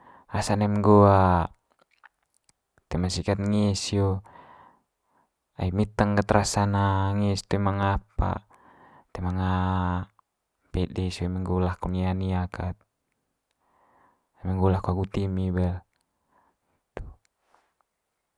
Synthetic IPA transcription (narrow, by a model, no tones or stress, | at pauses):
asanamɛŋɡoa | t̪ɛmasikat̪ŋisjo | aimit̪əŋkət̪ɾasanaŋist̪ɛmaŋapa̰ | t̪ɛmaŋa | pɛdisomɛŋɡulahkɔnianiakat̪̚ | mɛŋɡulahkuaɡut̪imibɛl | t̪u̥